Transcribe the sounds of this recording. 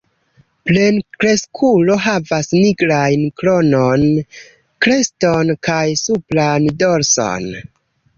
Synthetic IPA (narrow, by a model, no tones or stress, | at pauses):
ple̞nkɾe̞skʰulo̞ɦavasniɡɾajnklo̞non | kɾe̞stonkajsuplandoɾso̞̰n